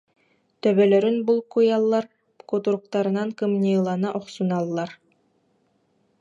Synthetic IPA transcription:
t̪œβœlœɾynbulˠkujalˠːaɾ | kut̪uɾuq̚t̪aɾɯ̆nankɯmnʲilˠanɯʔɔχsunalˠːaɾ

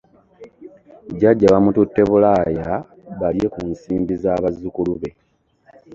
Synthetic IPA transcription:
ɟaɟːaβamututːe̞βulaːja | βalje̞kunsiːmbizaːβazːukuluβe̞

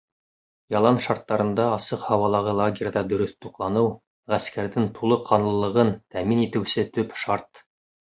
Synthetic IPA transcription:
jɑlˠɑnʃɑɾt̪ːɑɾɤ̆nd̪ɑɑsɤqhɑwɑlˠɑʁɤlˠaɡʲɪɾʲd̪ɑd̪ɵ̆ɾɵθt̪uqlˠɑnɤw | ʁæskæɾðɘŋt̪ʰulˠɤqʰɑnlˠɤ̆lˠɤ̆ʁɤnt̪æminit̪ɘ̆wsɘt̪ɵpʃɑɾt̪

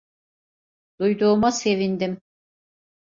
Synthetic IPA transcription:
d̪̥ujd̪uːmase̞vind̪im

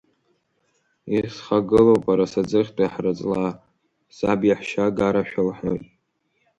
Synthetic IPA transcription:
isχaɡɨlopʼaɾasad͡zɨχʲtʼajħrɨt͡sʼla | sabjaħʃaɡaɾaʃᶣalħojtʼ

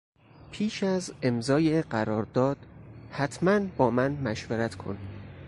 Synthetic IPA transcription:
pʰiːʃæze̞mzɒːjeɢæɾɒːɾd̪ɒːd̪̥hæt̪ʰmænbɒːmænmæʃveɾæt̪ʰkʰo̞̰niː

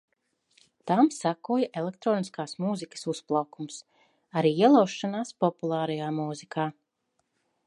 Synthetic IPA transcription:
t̪amsakuɔjaʔelˠek̚t̪ɾɔːniskaːsmuzikə̥susplˠawkums | aɾiːiɛlˠawʃːanaːspɔpulˠaːɾɐjaːmuːzikʰaː

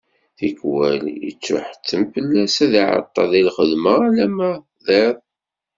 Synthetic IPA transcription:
θikwæljə̰t͡sːʊ̰ħə̥t͡sːəmfəlːæsæðiʕɑ̰t̪ˤːɑðilχəðməlæmæ | ðeðˤ

